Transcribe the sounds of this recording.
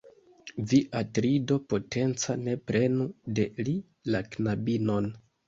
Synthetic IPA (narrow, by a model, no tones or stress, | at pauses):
viʔatɾido̞po̞te̞nt͡sane̞pɾe̞nude̞li | laknabino̞n